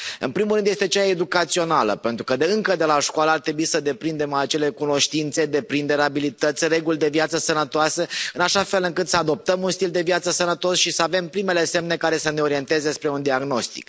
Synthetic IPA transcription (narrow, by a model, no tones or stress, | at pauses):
ɨ̰npɾimulɾɨnd̪je̞st̪e̞t͡ʃae̞d̪ukat̪sio̞nalə̰pe̞nt̪ɾukəd̪ɨŋkəd̪e̞laʃkoaləart̪ɾe̞buisəd̪e̞pɾind̪e̞mat͡ʃe̞le̞kuno̞ʃt̪int̪se̞d̪e̞pɾind̪eɾabilit̪ət̪sʲre̞ɡulʲd̪e̞viat̪səsənət̪oaseɨnaʃafe̞lɨŋkɨt̪səad̪o̞p̚t̪əmunst̪ild̪e̞vjat̪səsənət̪o̞sʃisəave̞mpɾime̞le̞se̞mne̞kaɾe̞səne̞o̞ɾie̞nt̪e̞zespɾeund̪iaɡno̞st̪i̥̰k